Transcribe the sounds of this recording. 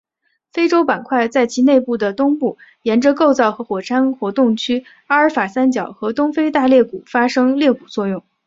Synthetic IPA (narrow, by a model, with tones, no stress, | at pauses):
fe˥ɪʈ͡ʂo˥ʊpa˨˩nkʰwa˥˧ɪt͡sa˥˩ɪt͡ɕʰi˧˥ne˥˧ɪpu˥˩d̪ə˩t̪ʊ˥ŋpu˥˩jɛ˧˥nʈ͡ʂə˧ko˥˧ʊt͡sɑ˥˩ʊxɤ˧˥xwɔ˨˩ʈ͡ʂʰa˥nxwɔ˧˥t̪ʊ˥˩ŋt͡ɕʰy˥ | a˥ə˞˧˥fa˨˩sa˥nt͡ɕjɑ˨˩˦ʊxɤ˧˥t̪ʊ˥ŋfe˥ɪt̪a˥˧ljɛ˥˩ku˨˩fa˥ʂɤ˥ŋljɛ˥˩ku˨˩t͡swɔ˥˧jʊ˥˩ŋ